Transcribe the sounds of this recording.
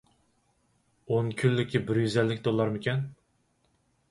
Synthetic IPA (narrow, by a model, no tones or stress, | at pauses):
onkʲʰylːɪkʲʰːibɪɾjyzɛlːɪkʲd̪olˠːɑɾmɪkʲɛn